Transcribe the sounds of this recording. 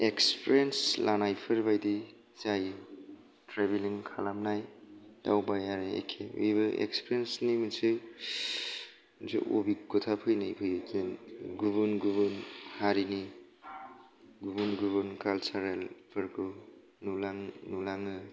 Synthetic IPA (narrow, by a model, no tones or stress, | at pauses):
ekspʰɾenslanajpʰɯɾbajdi | zaj | tɾebiliŋkʰalamnajja̰wbajaɾiḛkʰewḛjbɯʔḛkspʰɾensniminsɯj | mnsʰɯ̰ʔo̰bikɔtʰapʰɯjnajpʰɯjzenɡubunɡuβɯnhaɾini | ɡubunɡubɯnkalsaɾelpʰɯɾkʰu | nulaŋnulaŋɯ